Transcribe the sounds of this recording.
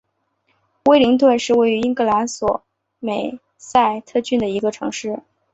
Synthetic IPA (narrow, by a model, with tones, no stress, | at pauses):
we˥ɪli˧˥ŋt̪̬wə˥˧nʂɻ̩˥˧we˥˩ɪy˧˥i˥ŋkɤ˧˥˩la˧˥nswɔ˨˩˦ | me˨˩ɪ | sa˥˧ɪt̪ʰɤ˥˧t͡ɕy˥˩nd̪ə˩i˧˥ɡə˧ʈ͡ʂʰɤ̰˧˥ŋʂɻ̩˥˩